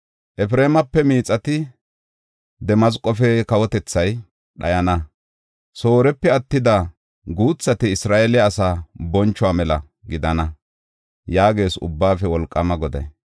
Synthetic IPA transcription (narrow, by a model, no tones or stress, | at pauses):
ʔɛfɾeːmɐpːɛmiːt͡sʼːɐt̪ɪ | d̪ɛmɐzkʼɔfɛkɐwɔt̪ɛt͡sːɐj | ɗɐ̰jɐnɐ | so̞ːɾɛpːɛɐt̪ːɪd̪ɐ | ɡuːt͡sːɐt̪ɪɪsɾaːʔelːsaːbɔnt͡ʃːɔwaːmɛlɐ̰ | ɡɪd̪ɐnɐ | jaːɡe̞ːsʊ̰bːaːfɛwɔlkʼːɐmɐɡɔd̪ɐ̰j